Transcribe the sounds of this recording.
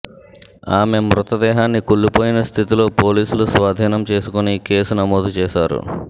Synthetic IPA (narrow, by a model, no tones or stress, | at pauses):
aːme̞mɾut̪ɐd̪ɛːɦaːnːikuɭːupo̞ːjinɐst̪ʰit̪ilo̞ːpo̞ːliːsulusʋaːd̪ʱiːnɐmt͡ʃe̞ːsukunike̞ːsunɐmo̞ːd̪ʱut͡ʃɛːʃaːɾṵ